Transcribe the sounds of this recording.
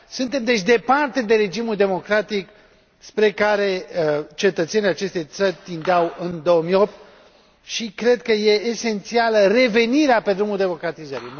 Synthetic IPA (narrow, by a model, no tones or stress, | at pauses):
sɨnt̪e̞md̪e̞t͡ʃʲd̪e̞part̪e̞d̪e̞ɾe̞d͡ʒimuld̪e̞mo̞kɾat̪ik | spɾe̞kaɾe̞t͡ʃe̞t̪ət̪se̞nijat͡ʃe̞st̪e̞t̪sərʲt̪ind̪eawɨnd̪o̞əmijo̞p̚t̪ | ʃikɾe̞d̪̚kəje̞ːse̞nt̪sialəre̞ve̞niɾeape̞d̪ɾumuld̪e̞mo̞kɾat̪izəɾḭ